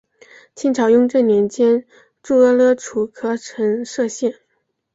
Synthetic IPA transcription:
t͡ɕʰi˥nʈ͡ʂʰɑ˨˩ʊjʊ˥ŋʈ͡ʂɤ˥˩njɛ˧˥nt͡ɕjɛ˥n | ʈ͡ʂu˥˩ɤ˥lɤ˥˩ʈ͡ʂʰu˨˩kʰɤ˥ʈ͡ʂʰɤ˧˥ŋʂɤ˥˧ɕjɛ˥˩n

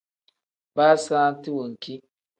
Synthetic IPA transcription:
baː˦sãː˦n˦ti˦wo˨ŋ̩˨ki˦

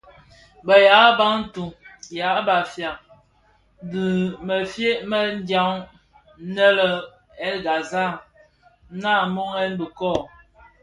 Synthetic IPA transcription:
bə˨ja˨˦ba˦ŋn̩˦tu˨ŋja˨˦ba˨fja˨ŋ | di˨mə˨fje˦ʔmə˦n˦dja˦ŋ˦ | nə˦lə˦˨ | ɛ˦lɡa˨za˦˨ | na˦˨mɔ˦ŋɛ˦nbi˨kɔ˦˨

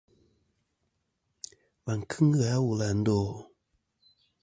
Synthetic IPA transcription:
wa˨ŋ˨kʰɨ˦ŋ̩˦ɨ˦˨a˨˦wu˨la˨n̩˦do˦˨

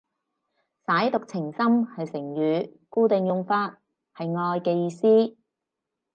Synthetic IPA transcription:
saː˨˥jt̪ʊ˨k̚t͡sʰɪ˨˩ŋsɐ˥mhɐ˨jsɪ˨˩ŋjyː˨˧kuː˥t̪ɪ˨ŋjʊ˧ŋfaː˧t̚ | hɐ˨jŋɔː˧jkɛː˧jiː˧siː˥

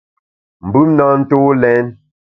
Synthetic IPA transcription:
m̩˨bʉ˦mna˦n̩˦to˦lɛ˦n

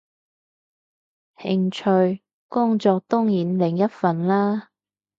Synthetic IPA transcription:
hɪ˨˩ŋt͡ʃʰɵ˨˧ɥ | kʊ˥ŋt͡sɔː˧k̚t̪ɔ˥ŋjiː˨˥nlɪ˨˩ŋjɐ˥t̚fɐ˨nlaː˥

